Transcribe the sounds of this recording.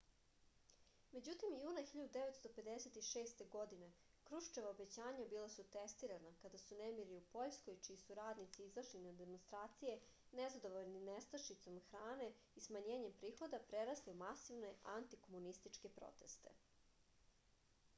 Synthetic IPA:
me̞d͡ʑut̪imjuːnaxiʎad̪ud̪eʋet̪st̪o̞pe̞d̪eset̪iʃeːst̪e̞ɡo̞d̪ine̞ | kɾuʃt͡ʃeʋaobet͡ɕaːɲabilasut̪est̪iɾanakad̪asunemiɾiupo̞ʎskojt͡ʃiːsuɾaːd̪nit̪siizaʃlinad̪e̞monst̪ɾaːt̪sije̞ | nezad̪o̞ʋoʎninest̪aʃit̪so̞mxɾaːne̞ | ismaɲeːɲempɾiːxo̞d̪apɾeɾasliumasiʋne̞ant̪iko̞munist̪it͡ʃke̞pɾo̰t̪e̞st̪e̞̰

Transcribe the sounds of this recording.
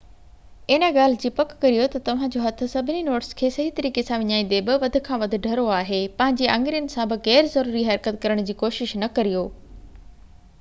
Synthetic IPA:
ɪnə̆ɠaːl̤ɪd͡ʑiːpɐkːɐɾijot̪ɐt̪ɐʋ̤ãd͡ʑoːɦɐt̪ʰʊ̆sɐbʱɪninoːʈɪskʰeːsɐɦit̪ɐɾiːkesãʋɪɲaːĩːn̆d̪ebɪʋɐd̪ʱʊ̆kʰãʋɐd̪ʱɪ̆ɖʱɐɾoaːɦepɐ̃ɦɪ̃ɲd͡ʑeʔɐ̃ŋɡɾijənɪ̆sãbɪɣɛːɾzɐɾuːɾiɦɐɾkət̪kɐɾəɽ̃d͡ʑiːkoːʃɪʃnɐkɐɾijoː

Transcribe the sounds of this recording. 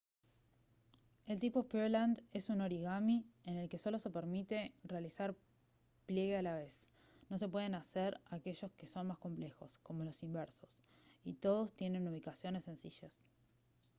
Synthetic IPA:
e̞lt̪ipo̞poɾland̪e̞suno̞ɾiɣamiene̞lke̞so̞lo̞se̞peɾmit̪e̞realisaɾ | plje̞ɣealaβe̞s | no̞se̞pwe̞ð̞enaseɾake̞ʒo̞ske̞so̞nmasko̞mple̞xo̞sko̞mo̞lo̞simbeɾso̞sit̪o̞ð̞o̞st̪je̞ne̞nuβ̞ikasjo̞ne̞sːe̞nsiʃas

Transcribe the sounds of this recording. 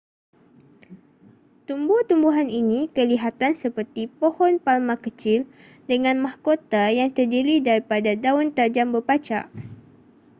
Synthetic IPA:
t̪umbuht̪umbuɦaninĩkəliɦat̪ansəpərt̪ipohɔnpalmãkət͡ʃɪl | dəŋãnmahkot̪ajaŋt̪ərdiɾidaɾipadadaʊnt̪ad͡ʒambəpat͡ʃa̰ʔ

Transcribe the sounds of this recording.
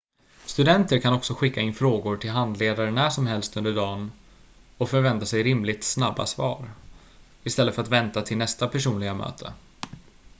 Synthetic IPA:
st̪ɵd̪ɛnt̪əɾkʰanɔksɔɧɪkːaɪnːfɾoːɡʊɾʈʰɪlɦand̪leːd̪aɾənæːʂɔmɦɛlst̪ɵnd̪əɖɑːn | ɔkfœɾvɛnt̪asɛjɾɪmlɪt̪snabːa̰svɑ̰ːɾ | ɪst̪ɛlːəfœɾat̪vɛnt̪at̪ʰɪlnɛst̪apʰæʂuːnlɪɡamø̰ːt̪ʰə̰

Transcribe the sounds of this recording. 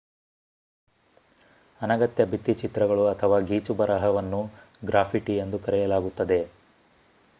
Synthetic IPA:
ɐnɐɡɐt̪jɐbit̪ːit͡ʃit̪ɾɐɡɐɭuɐt̪ʰɐʋaːɡiːt͡ʃubɐɾɐɦɐʋɐnːu | ɡɾaːpʰiʈiend̪ukɐɾɛjɐlaːɡut̪ːɐd̪e̞

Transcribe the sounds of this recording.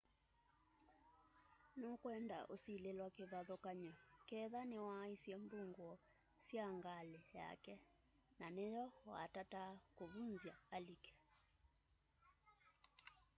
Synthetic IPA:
nokwɛnda̰ʔosilelwakeβaðɔkaɲɔkɛðanewaisjɛmbuŋɡwɔ | sjaŋɡaleja̰kɛ | nanejɔwa̰tatakoβunzjaːlikɛ̥

